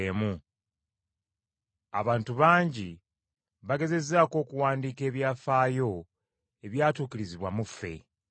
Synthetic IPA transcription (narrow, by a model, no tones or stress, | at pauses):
emu | a̰βaːntuβaːɲɟi | βaɡe̞ze̞zaːko̞ːkuwaːndiːke̞ːβjaːfaːjo̞ | e̞βjaːtuːkiɾiziβwamufːe̞̰